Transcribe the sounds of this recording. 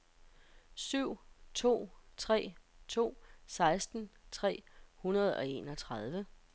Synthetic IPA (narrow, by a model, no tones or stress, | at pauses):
syʊ̰t͡sʰo̝̰ːt͡sʰʁɛ̰ːt͡sʰo̝̰ːsɑ̈ɪsd̥n̩t͡sʰʁɛ̰ːhunɐð̞ˠɒ̽e̝̰nɒ̽t͡sʰʁɑð̞ˠʋə